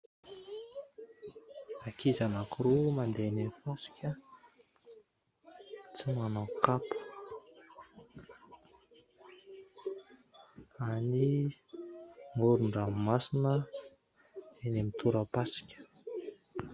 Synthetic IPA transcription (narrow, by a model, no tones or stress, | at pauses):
akizanakuɾumand̪enemfasi̥kʲə | t͡simanakapə̥ | ani | ŋoɾuɳɖ͡ʐammasinə | enemit̪ʰuɾəpasi̥kʲə̥